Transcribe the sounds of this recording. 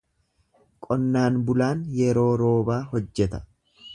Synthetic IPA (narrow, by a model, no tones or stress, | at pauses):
kʼɔnːaːnbʊlaːnjɛɾo̞ːɾo̞ːbaːhɔd͡ʒːɛt̪ɐ̥